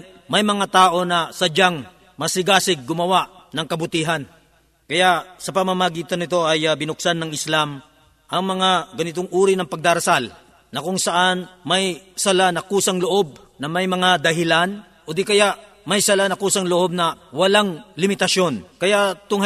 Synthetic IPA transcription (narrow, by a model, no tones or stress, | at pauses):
mɐjmɐŋat̪aːʔo̞nɐsɐd͡ʒaŋ | mɐsɪɡaːsɪɡ̚ːʊmɐwaʔnɐŋkɐbʊt̪iːɦɐn | kɐjaʔsɐpɐmamɐɡiːt̪ɐnːɪt̪o̞ʔɐjbɪnʊksanːɐŋɪslam | ʔɐŋmɐŋaɡɐnɪt̪oŋuːɾɪnɐŋpɐɡ̚d̪aɾɐsal | nɐkʊŋsɐʔanmɐjsɐlanɐkuːsɐŋloʔo̞b̚ | nɐmɐjmɐŋad̪ɐɦɪlan | ʔod̪ikɐjaʔ | mɐjsɐlanɐkuːsɐŋloʔo̞b̚nɐwɐlaŋlɪmɪt̪ɐʃo̞nkɐjat̪ʊŋ